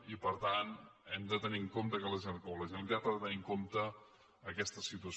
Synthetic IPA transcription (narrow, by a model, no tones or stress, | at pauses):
ipəɾt̪anɛmd̪ət̪əniŋkomt̪əkələʒekoləʒenkapəðət̪əniŋkomt̪əː | kɛst̪əsit̪uəs